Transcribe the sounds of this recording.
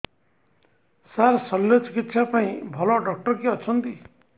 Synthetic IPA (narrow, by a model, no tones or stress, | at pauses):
sarsʌlːjot͡sikit̪sʰapaĩbʱʌlɔɖʌk̚ʈʌrkiʌt͡sʰʌnt̪i